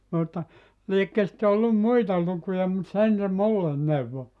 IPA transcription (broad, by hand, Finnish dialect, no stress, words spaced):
mutːɑ liekːø sĭtːe olːum muitɑ lukujɑ mut sen se mulːen neuʋːo